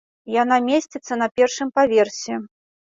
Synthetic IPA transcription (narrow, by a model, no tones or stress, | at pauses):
janamʲesʲt͡sʲɛt̪sːɐnɐpʲɛrʂɨmpavʲɛrsʲɛ